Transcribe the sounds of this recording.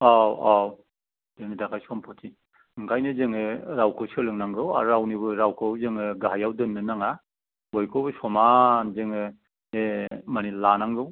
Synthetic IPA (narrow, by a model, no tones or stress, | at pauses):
awaw | deŋnidakʰajsɔmpʰɔtʰi | ɯŋkʰajnɯzɯŋɯɾawkʰɯwsɯlɯŋnaŋɡɯwa̰ɾawnibɯɾawkʰɯwzɯŋɯɡaɦajawdɯnːɯnaŋa | bɔjkʰobɯsɔmanzɯŋɯ | emanilanaŋɡɯw